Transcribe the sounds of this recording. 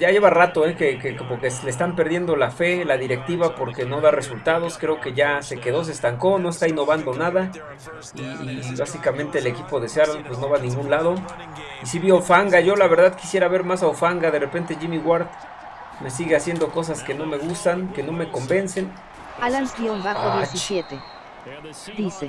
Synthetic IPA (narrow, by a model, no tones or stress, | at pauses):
ɟ͡ʝaʝe̞βarat̪o̞ekekekomokesleːst̪ampe̞ɾðje̞nd̪o̞lafe̞laðiɾe̞k̚t̪iβapo̞ɾke̞no̞ðare̞sult̪að̞o̞skɾeoke̞ʝaseke̞ðo̞s̬eːst̪aŋko̞no̞est̪aino̞βand̪o̞naða | iːβasikament̪e̞ːlekipo̞ðesjaɾalpwe̞snoβanĩŋɡunlaðo̞ | isiβjofaŋɡaʝo̞laβe̞ɾðaðki̥sje̞ɾaβe̞ɾmasaofaŋɡaðe̞repe̞nt̪e̞ʝimiɣwaɾt̪ | me̞siɣe̞asje̞nd̪o̞ko̞s̬aske̞no̞me̞ɣust̪aŋke̞no̞me̞ko̞mbe̞nse̞n | alansiobaxoðjeisjet̪e | d̪̥ise